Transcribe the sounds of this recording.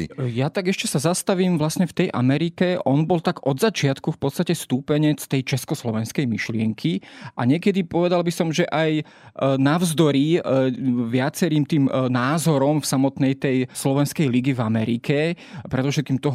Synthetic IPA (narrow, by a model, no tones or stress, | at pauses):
jat̪aɡɛʃcɛsazast̪aʋiːmʋlasɲɛft̪ɛjʔa̰mɛɾikɛʔɔnbɔlt̪aɡɔd̪zat͡ʃɪat̪kufpɔt̪st̪acɛst̪uːpɛɲɛt͡st̪ɛjt͡ʃɛskɔslɔʋɛnskɛjmiʃlɪɛŋkʰiʔaɲɪɛkɛd̪ipɔʋɛd̪albisɔmʒɛʔaj | naʊzd̪ɔɾi | ʋɪat͡sɛɾiːmt̪iːmnaːzɔɾɔmfsamɔt̪nɛjt̪ɛjslɔʋɛnskɛjliɡivamɛɾḭkʰɛ | pɾɛd̪ɔfʃɛt̪̚kiːmt̪ɔɦ